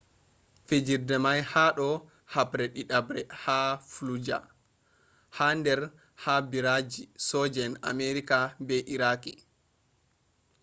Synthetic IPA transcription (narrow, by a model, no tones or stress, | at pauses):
fed͡ʒiɾdɛmajhaɗɔ | hapɾɛɗiɗabɾɛhaflud͡ʒa̰ | handɛɾ | habiɾad͡ʒisɔd͡ʒɛna̰meɾikabɛʔiɾaki